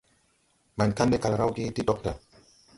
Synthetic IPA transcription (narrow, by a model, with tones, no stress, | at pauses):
ma˨nkandɛka˨lɾa˦wki˦ti˦ɗɔk̚da